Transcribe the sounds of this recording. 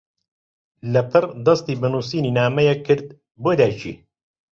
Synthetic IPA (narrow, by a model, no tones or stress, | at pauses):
lɐpʰɨrd̪ɐst̪iːbɨnuːsiːniːnaːmɐjɛkʰːɨɾd̪̚ | boːd̪aːt͡ʃʰḭː